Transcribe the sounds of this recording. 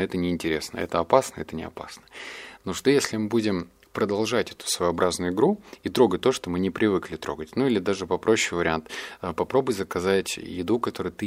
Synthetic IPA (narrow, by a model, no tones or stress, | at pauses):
ɛt̪ənʲɪːnʲtʲɪɾʲesnə̰ɛ̰t̪əɐpasnəɛt̪ənʲɪɐ̰pa̰snə̥noʂt̪ojesʲlʲɪmɨbudʲɪm | pɾəd̪ɐlˠʐatʲɛt̪ʊ̥svəjɐbɾʔaznʊjʊɪɡɾuit̪ɾo̞ɡət̚ʲt̪o̞ʂt̪omɨnʲɪpɾʲɪvɨklʲɪt̪ɾo̞ɡətʲnuilʲɪd̪aʐɨpɐpɾo̞ɕːɪjvəɾʲɪant̪ːpɐpɾo̞bʊjʲzəkɐzatʲjɪd̪ukɐt̪o̞ɾɨjt̪ɨ